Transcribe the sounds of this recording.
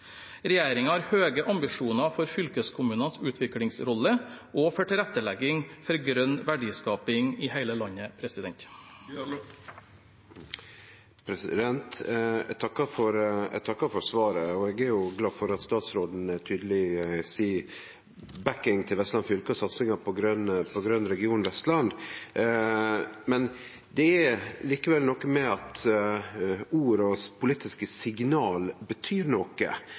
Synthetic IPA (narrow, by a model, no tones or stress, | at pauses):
ɾɛjæːɾɪŋɑɑɾhøːɡəʔɑmbɪʂuːnɑfɔɾfʏlkəskʰʊmʉːnɑnsʉːt̪ʰʋɪklɪŋsɾɔləʔoːfɔʈɪlɛt̪əlɛɡɪŋfɔɾɡɾœnːʋæɖiːskɑːpɪŋiːhæɪləlɑɲːəpʰɾɛsɪd̪ɛnt̪ | pʰɾɛsɪ̰d̪ɛnt̪t̪ʰɑkːɑfɔɾt̪ʰɑkːɑfɔɾsʋɑːɾəɔɛɡæɾjʊɡlɑːdfɔɾɑt̪st̪ɑːt̪sɾoːd̪n̩t̪ʰyːd̪əlɪsiː | bækɪŋt̪ʰɪlʋɛst̪lɑnsfʏlkəɔsɑt̪sɪŋɑpʰɔɡɾœnpʰɔɡɾœnɾɛɡɪuːnʋɛst̪lɑnd̪ | mɛn | d̪ɛæliːkəʋɛlnɔkːəmɛɑt̪ | uːɾɔspʰʊlit̪ɪskəsɪɡnɑːlbət̪ʰyːɾnɔkə̰